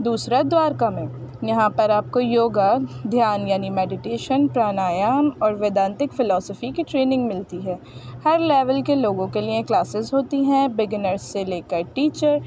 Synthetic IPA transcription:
d̪uːsɾad̪waːɾkamẽːjɐɦãpɐɾaːp̚kojoːɡad̪ʱjaːnjaːnimɛːɖɪʈeːʃənpɾaːnaːjaːmɔːɾʋeːd̪ãːnt̪ɪkfɪlɔːsəfikiʈɾeːnɪ̃ŋɡmɪlt̪iɦɛː | hɐɾlɛːʋəlkeloːɡõkeliẽklaːsɪzɦoːt̪iɦɛ̃bɪɡnəɾsːeleːkəɾʈiːt͡ʃəɾ

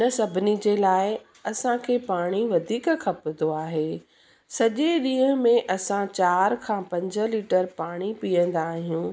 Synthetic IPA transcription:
nəsɐbʱɪnid͡ʑelaːɪ | ɐsãkʰeːpaːɽ̃iʋɐd̪ʱiːkkʰɐpd̪oaːɦeː | sɐʄeɗĩːɦə̃mẽʔɐsãt͡ɕaːɾkʰãːpɐ̃ɲd͡ʑə̆liːʈəɾpaːɽ̃ipijə̃nd̪aːɦijũː

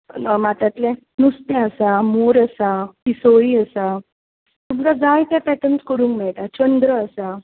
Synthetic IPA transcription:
əmat̪at̪lɛ̃ | nust̪ɛ̃əsamoɾəsapisoɭiəsa | t̪umkad͡zajt̪japɛʈəɳskəɾuːŋkmɛɭt̪at͡ɕənd̪ɾəːsa

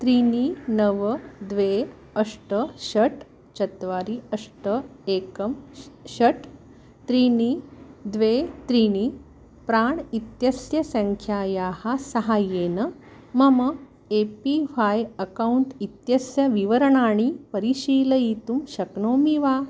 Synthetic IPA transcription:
t̪ɾininɐʋəd̪ʋe | əʂʈəɕɐʈ | t͡ɕɐt̪ʋaːɾiɐʂʈəekɐmɕɐʈ | t̪ɾinid̪ʋet̪ɾini | pɾaːɳit̪jɐsjɐsə̃ŋkʰjaːjaːhasɐɦaːjeːnɐ | mɐmɐ | epifajɐkauɳʈit̪jɐsjɐʋiʋəɾɳaːɳ̃ipəɾiɕiːlɐit̪umɕɐknoːmiʋaː

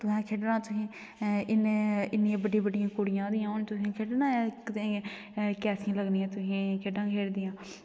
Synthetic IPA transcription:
t̪ʊsɛ̃ːkʰeːɖɾãːt̪ʊɦĩː | ɪnɪnːɪãːbəɖijːbəɖɪjãːkoːɽɪjãːd̪ɪjãːʊnt̪ʊsẽːkʰeɖnãːkt̪ẽː | kɛːsʰɪjãːləɡniːãːt̪ʊsĩːkʰeːɖãːkʰeːɾd̪ɪjãː

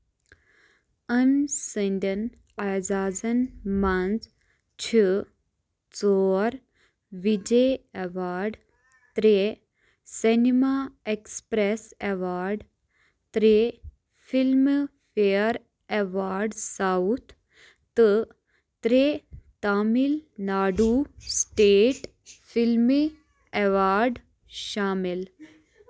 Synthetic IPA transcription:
ənsəɳɖən | ad͡zaːd͡zɐnmand͡z | t͡ʃʰi | t͡sɔːɾ | ʋid͡ʒeeʋaːɾɖ | t̪ɾe | senimaekspɾeseʋaːɾɖ | t̪ɾe | film | fʰejəɾ | eʋaːɾɖsaut̪ʰ | t̪ɨ | t̪ɾeːt̪aːmilnaːɖusʈeːʈ | fʰilmi | eʋaːɾɖ | ʃaːmɪl

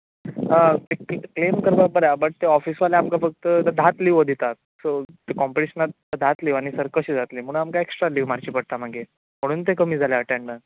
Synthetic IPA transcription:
əekklemkəɾbabəɾjabəʈ̚t̪eɔfiːsʋaleamkafək̚t̪əd̪ʱat̪liʋod̪ʱit̪a | sot̪ekɔmpeʈiɕənat̪̚ | d̪ʱat̪liʋaɽ̃isəɾkəɕiːd͡zʱat̪liːm̤əɽ̃ũnamkaeksʈɾaliʋmaɾt͡ɕiːpəɽ̚t̪amaɡe | m̤əɽ̃uːnt̪̬ekəmiːd͡zʱaleəʈeɳɖə

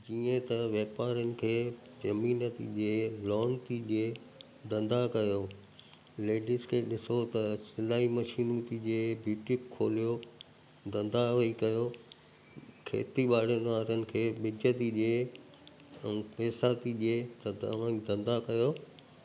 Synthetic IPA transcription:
d͡ʑiːə̃t̪ɐʋeːpaːɾənɪ̆kʰeː | d͡ʑɐmiːnət̪ḭʄeːlɔːnt̪iʄeː | d̪ɐ̃nd̪akɐjoː | leːɖɪskʰeːɗɪsot̪ɐsɪlaːimɐʃiːnut̪id͡ʑeːbjuːʈɪkʰːoːlijo | d̪ɐ̃nd̪aʋɐikɐjo | kʰḛːt̪iɓaːɽ̤enʋaːɾənɪ̆kʰeːɓɪd͡ʑət̪iʄeː | ɛ̃peːsaːt̪iʄeːt̪ɐʋ̤ãːd̪ɐ̃nd̪akɐjoː

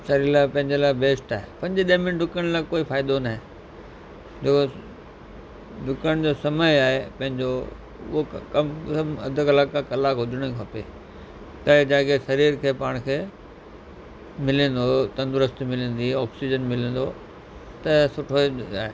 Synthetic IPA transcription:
sɐɾiːɾlaːpɐ̃ɦɪ̃ɲd͡ʑelaːɪbeːsʈaːɦepɐ̃ɲd͡ʑeɗĩmɪnɖʊkəɽ̃laːɪkoːifaːɪd̪onaɦe | d͡ʑeːko | ɖʊkəɽ̃d͡ʑoːsɐməaːɦepɐ̃ɦɪ̃ɲd͡ʑo | ʊ̰ɦokɐmmɐ̰d̪ʱəkɐlaːkãkɐlaːkɦʊd͡ʑʱəɽ̃əkʰɐpḛː | t̪ɐd͡ʑãːkesɐɾiːɾkʰeːpaːɽ̃kʰeː | mɪlĩn̆d̪ot̪ɐ̃nd̪ʊɾəst̪mɪlĩːn̆d̪iɔːksid͡ʑənmɪlə̃n̆d̪o | t̪ɐsʊʈʰoa̰ːɦe

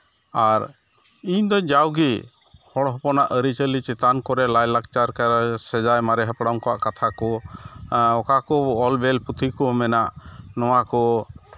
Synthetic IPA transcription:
aɾ | iɲd̪ɔd͡ʒawɡi | hɔɽɦɔpɔnaʔəɾit͡ʃəlit͡ʃɛt̪ankɔɾɛlajlak̚t͡ʃaɾkaɾsɛd͡ʒajmaɾɛɦapɽamkɔwaʔkat̪ʰakɔ | ɔkakɔɔlbɛlput̪ʰikɔmɛnaʔnɔwakɔ

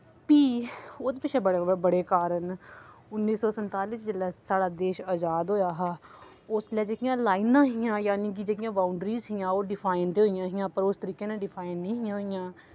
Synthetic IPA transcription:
piːoːt̪pɪt͡ʃʰeːbəɽbəɽeːkaːɾənʊnːiːsɔːsənt̪aːliːsd͡ʒəlɛːsaːɽaːd̪eːʃəːd͡ʒaːd̪ɦoːjaːɦaː | oslɛːd͡ʒeːkɪjãːlaːɪnãːɦɪjãːjaːniːk̬id͡ʒeːk̬ɪjãːbaːʊɳɖɾiːzɦɪjãːoːɖɪpʰaːɪnt̪eːɦoːɪjãːɦɪjãːpəɾost̪əɾiːkeːnãːɖɪpʰaːɪnːĩːɦɪjãːɦoːɪjãː

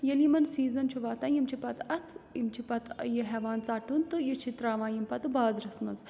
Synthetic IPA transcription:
jɐlimɐnsiːzɐnt͡ʃʰuʋaːt̪ãːjimt͡ʃʰipɐt̪ʰɐt̪ʰimt͡ʃʰipɐt̪ʰɐjɐɦɛːʋaːnt͡saːʈunt̪ɨjɐt͡ʃʰit̪ɾaːʋãːjimpɐt̪ɨbaːd̪ɾɐsmɐ̰nz

